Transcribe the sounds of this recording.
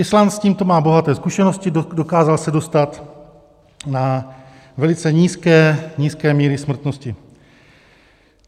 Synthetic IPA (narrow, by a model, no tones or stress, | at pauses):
ʔɪslansciːmt̪o̞maːbo̞ɦat̪ɛːskuʃɛno̞scɪdo̞kaːzalsɛdo̞st̪at̪ | na | vɛlɪt͡sɛɲiːskɛːɲiːskɛːmiːɾɪsmr̩t̪no̞scɪ